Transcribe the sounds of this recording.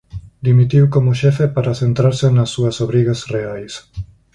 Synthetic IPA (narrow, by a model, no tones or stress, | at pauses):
d̪imit̪iwkomoʃɛfepaɾaθent̪ɾaɾsenɐsːuɐsoβɾiɣasreajs